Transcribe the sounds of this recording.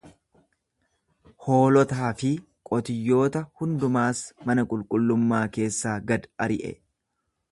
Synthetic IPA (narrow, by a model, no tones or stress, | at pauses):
ho̞ːlɔt̪aːfɪ | kʼɔt̪ɪjːo̞ːt̪ɐhʊnd̪ʊmaːsmɐnɐkʼʊlkʼʊlːʊmːaːke̞ːsːaːɡɐd̪ɐɾɪʔɛ̰